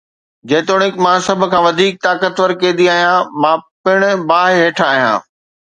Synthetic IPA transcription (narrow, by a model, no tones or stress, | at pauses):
d͡ʑeːt̪oːɽ̃ɪkmãsɐbʱʊ̆kʰãːʋɐd̪ʱiːk̚t̪aːkət̪ʋəɾkẽːd̪iaːɦijãːmãːpɪɽ̃ʊ̆baːɦɪɦeːʈʰaːɦijã̰ː